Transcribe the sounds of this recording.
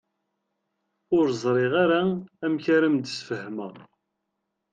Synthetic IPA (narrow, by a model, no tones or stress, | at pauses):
ʊɾzˤɾˤɪʁaɾaæmçaɾəmd̪sfəhmə